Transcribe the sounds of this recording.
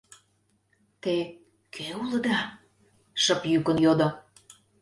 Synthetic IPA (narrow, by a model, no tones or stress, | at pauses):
t̪e | kʰeuləd̪ɑ | ʃəpjykə̆njod̪o